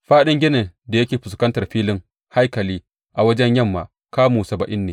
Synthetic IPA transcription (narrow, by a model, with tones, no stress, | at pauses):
ɸaː˦ɗɪ˦ŋɡʲɪ˦ne˨da˨jɐ˦kʲeː˨ɸʊ˨skɐ˦ntɐ˨rɸiː˦lɪ˦ŋ | ha˦jkɐ˨liː˦ | ʔa˨wɐ˦d͡ʒɛ˦ɲjɐ˦mːa˨ | kaː˦muː˨sɐ˨ba˨ʔɪ˦nːeː˨